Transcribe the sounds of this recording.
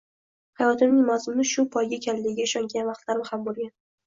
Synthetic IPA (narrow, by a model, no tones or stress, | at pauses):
hajɒt̪ʰɪmnɪŋmazʊmnɪʃʊpʰɒjɡʲakʲʰalːɪɪɡʲaɪʃɒŋɡʲanvaqt̪laɾmɪhamboɾɡʲan